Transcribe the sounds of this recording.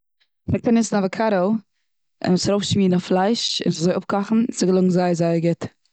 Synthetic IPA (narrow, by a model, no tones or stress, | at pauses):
mɛk̚taɾnɪsn̩avakʰaɾo | ɪ̰msɾoʊfʃmiːnaflˠaɪʃɪ̰nszɔɪʔʊp̚kɔχn̩sɪɡəlˠʊɡŋ̩zaɪəzaɪəɡɪt